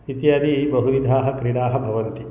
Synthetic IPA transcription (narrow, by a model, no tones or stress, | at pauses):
it̪jaːd̪ibɐɦuɾid̪ʱaːɦɐ̆kɾiɽaːɦɐ̆bʱɐʋɐnt̪i